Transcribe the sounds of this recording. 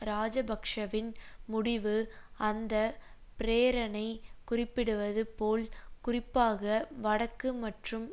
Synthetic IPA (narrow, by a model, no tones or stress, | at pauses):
ɾaːd͡ʒɐbɐkʂɐʋɪnmʊɽɪʋɯ | ɐnd̪ɐ | pɪɾeːɾɐnɐɪkʊrɪpːɪɽɯʋɐðɯpoːlkʊrɪpːaːɣɐʋɐɽɐkːɯmɐʈrɯm